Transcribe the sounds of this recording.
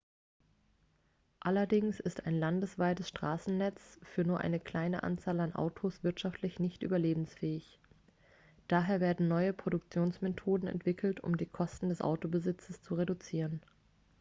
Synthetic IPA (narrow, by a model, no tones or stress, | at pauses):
ʔalɐdɪŋsɪstaɪnlandəsv̥aɪtəsʃtʁ̥aːsn̩nɛt͡sfyːɐnuːɐʔa̰ɪnəkl̥aɪnəʔa̰nt͡saːlanʔa̰ʊtʰosv̥ɪɐtʃaftʰlɪçnɪçtʔy̰ːbɐleːbm̩sfɛːɪç | d̥aːɦeːɐveːɐdn̩nɔʏəpʁ̥odʊk̚t͡sjoːnsmetʰoːdn̩ɛ̰ntv̥ɪkʰl̩tʰʊ̰mdiːkʰɔstn̩dɛsʔa̰ʊtobəzɪt͡səst͡suʁedut͡siːʁən